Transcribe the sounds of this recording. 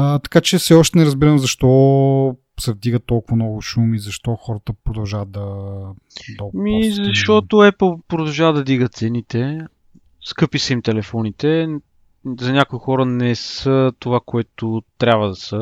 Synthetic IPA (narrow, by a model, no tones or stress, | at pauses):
t̪ɐ̥kat͡ʃɛfsɛɔʃt̪ɛnɛɾəzbiɾəmzɐʃt̪ɔ | sɛvd̪iɡət̪ːɔlˠkʊvɐnɔɡʊʃumizɐʃt̪ɔxɔɾət̪əpɾod̪ɐʊʒavt̪̚d̪ɐ | d̪ɐmizɐʃɔt̪ʊɛpəlˠpɾod̪ɐlˠʒavəd̪ɐd̪iɡət̪t̪sɛnit̪ɛ | skɤpisɐimt̪ɛlɛfɔnit̪ɛ | zɐnʲakʊixɔɾənɛsət̪ovakoɛt̪ot̪ɾʲabvəd̪ɐsə